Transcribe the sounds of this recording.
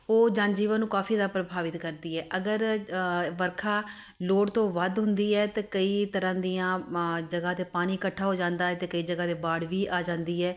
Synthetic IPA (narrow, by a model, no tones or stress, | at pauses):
oːd͡ʒãːnd͡ʒiːʋə̃nnũːkaːfʰiːd̪aːpɾəbʱaːʋɪt̪kəɾd̪iːɛːʔəɡəɾ | ʋəɾkʰaː | loːɽt̪õːʋəd̪ɦʊnd̪iːɛːt̪eːkəiːt̪əɾãːd̪iːãːd͡ʒəɡãːt̪eːpaːñiːkəʈʰːaːɦoːd͡ʒãːnd̪aːɛːt̪eːkəiːd͡ʒəɡaːd̪eːbaːɽʋiːʔaːd͡ʒãːnd̪iːɛː